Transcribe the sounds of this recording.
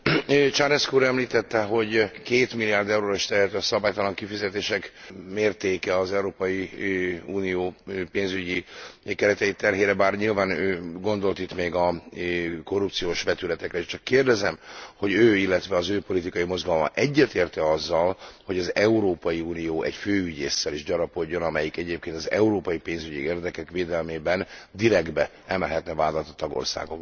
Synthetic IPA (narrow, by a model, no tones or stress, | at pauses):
t͡ʃarɛskuːɾɛmliːt̪ɛt̪ːɛɦo̞ɟkeːt̪milːijaːrd̪ɛwɾoːɾiʃt̪ɛɾɛt̪øːɒsɒbaːjt̪ɒlɒŋkifizɛt̪eːʃɛkmeːrt̪eːkɛɒzɛuɾoːpɒji | uːnijoːpeːnzyɟikɛɾɛt̪ɛit̪ɛrɦeːɾɛbaːrɲilvaːnøːɡo̞nd̪o̞lt̪it̪meːɡɒ | ko̞rːupt̪sijoːʃʋɛt̪ylɛt̪ɛkɾɛeːʃt͡ʃɒkːeːrd̪ɛzɛmho̞ɟøːilːɛt̪ʋɛɒzøːpo̞lit̪ikɒjimo̞zɡɒlo̞mɒ̰ʔɛɟːɛt̪eːrt̪ɛɒzːɒlho̞ɟɒzɛuɾoːpɒjiuːnijoːʔɛcføːyɟeːsːɛliʒɟɒɾɒpo̞ɟːo̞nɒmɛjikɛɟeːp̚keːnt̪ɒzɛ̰uɾoːpɒjipeːnzyɟieːrd̪ɛkɛkʋeːd̪ɛlmeːbɛnd̪iɾɛɡd̪bɛ | ɛmɛlɦɛt̪nɛvaːd̪ɒt̪ɒt̪ɒɡo̰rsa̰ːɡo̰k